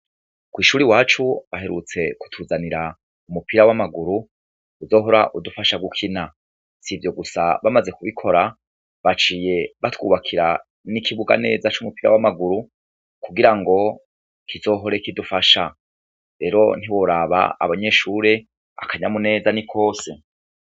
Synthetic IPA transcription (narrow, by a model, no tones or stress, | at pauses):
kwiːʃuːɾiwaːt͡ʃuaɦe̞ɾṵt͡se̞ku̥tʰuːzaniɾa | umupiɾawamaɡuɾu | uzo̞ːɦo̞ɾaʔudufaʃaɡukʰina | sivjo̞ɡusa̰βamaze̞kuβikʰo̞ɾa | βat͡ʃiːje̞βatwuːβakʰiɾa | nikiβuɡa̰ne̞ːzat͡ʃumupiɾa̰wamaɡuɾu | kuɡiɾaŋɡo̞ | kizo̞ːɦo̞ɾe̞kidufaʃa | ɾe̞ːɾo̞̰n̥iwo̞ɾaβa̰ːβaɲe̞ːʃuːɾe̞ | a̰kʰaɲamune̞ːzanikʰo̞ːse